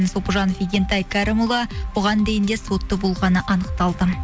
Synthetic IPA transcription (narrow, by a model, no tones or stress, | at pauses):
nso̞puʒɑnfʲiɡʲent̪ɑjkʰɑɾemulˠɑbʊʁɑnd̪e̞jɪnd̪e̞so̞t̪ːəbo̞lˠʁɑnəʔɑnəq̚t̪ɑlˠd̪ə